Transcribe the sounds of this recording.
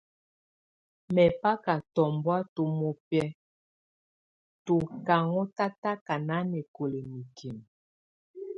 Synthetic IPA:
mɛ˨pa˦ka˨tɔ˨mbwa˦to˨mo˨pɛ˦ | to˨ka˨ŋɔ˦ta˦ta˦ka˨na˦nɛ˨ko˨le˨mi˨kʰi˨m

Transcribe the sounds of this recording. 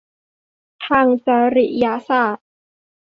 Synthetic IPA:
t̪ʰaː˧˩ŋt͡ɕa˧˩ɾi˨˩ja˧saː˥˩t̪̚

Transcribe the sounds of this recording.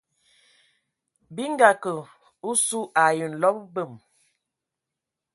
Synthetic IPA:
bi˦ŋ˦ɡa˨kə˨ | u˦su˦ʔa˨jə˨n̩˨lɔ˦p̚bə˦˨m

